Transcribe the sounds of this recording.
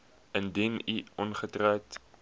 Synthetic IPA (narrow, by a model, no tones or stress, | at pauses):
əndiniʔɔnχətrœwt